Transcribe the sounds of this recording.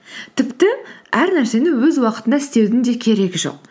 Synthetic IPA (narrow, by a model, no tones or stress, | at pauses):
t̪ʰɪpt̪ɪæɾnæɾse̞nɪwɵzwɑqət̪ənd̪ɑɪst̪e̞wd̪ɪnd̪e̞kʲʰe̞ɾe̞ɡʲɪʒo̞̰q̚